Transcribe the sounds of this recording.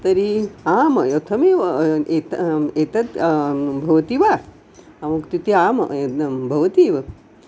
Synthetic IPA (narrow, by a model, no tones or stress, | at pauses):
t̪ɐɾiaːmɐjot̪ʰɐmeːʋɐet̪ɐeːt̪ɐt̪bʱɐʋɐt̪iʋa | ɐmukt̪it̪iaːmɐ̰bʱɐʋɐt̪iːʋɐ